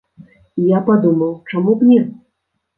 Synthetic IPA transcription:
ijapad̪umɐwt͡ʂamuknʲɛ

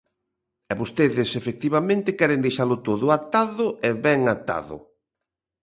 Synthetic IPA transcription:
ɛβost̪eðɪsefek̚t̪iβamẽnt̪ɪkɛɾend̪ejʃaɾlʊt̪oðʊat̪aðʊɛβɛŋat̪a̰ðʊ̰

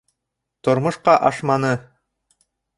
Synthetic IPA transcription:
t̪ŏɾmŏʃqɑʔɑʃmɑnɤ

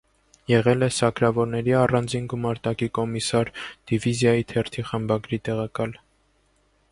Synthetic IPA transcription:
jɛʁɛlɛsɑkɾɑvɔɾnɛɾiɑrɑnd͡zinɡumɑɾt̪ɑkikɔmisɑɾd̪̥ivizjɑjit̪ʰɛɾt̪ʰiχəmbɑɡɾit̪ɛʁɑkɑl

